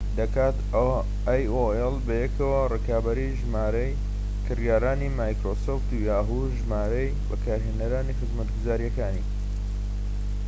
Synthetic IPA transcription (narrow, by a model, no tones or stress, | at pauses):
d̪ɐkaːt̪ | ajoɛlˠbɐjɛkʰɐwɐrɨkʰaːbɐɾiʒmaːɾɐj | kʰɨrjaːɾaːnimaːjkɾoːsoft̪ujaːɦu | ʒmaːɾɐjbɐkʰaːɾɦenɐɾaːniːxɨzmɐt̪ɡuzaːɾijɐkaːnḭ